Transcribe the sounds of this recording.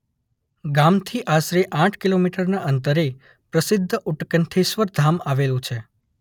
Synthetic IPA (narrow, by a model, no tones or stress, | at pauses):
ɡamt̪ʰiʔasɾeʔãʈʰkilomiʈəɾnaʔənt̪əɾe | pɾəsɪd̪ʱːəʔuʈkənt̪ʰeʃʋəɾd̪ʱamaʋelũt͡ʃʰe